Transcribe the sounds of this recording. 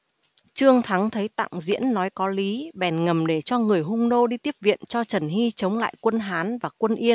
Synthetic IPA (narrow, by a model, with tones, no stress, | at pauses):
t͡ɕɨ˧əŋt̪ʰa˨˦ŋt̪ʰə˨˦jt̪a̰ː˧˨ŋzḭ˧˥ənːɔ˨˦jkɔ˨˦li˨˦ɓɛ˨˩nŋə˨˩mɗe˧˩t͡ɕɔ˧ŋɨ˨˩əjɦʊ˧ŋ͡mno˧ɗi˧t̪i˦˥əp̚vḭ˧˨ənt͡ɕɔ˧t͡ɕə˧˩nɦi˧t͡ɕə˨˦wŋ͡mla̰ː˧˨jkwə˧nɦaː˨˦nvaː˨˩kwə˧nʔi˧ən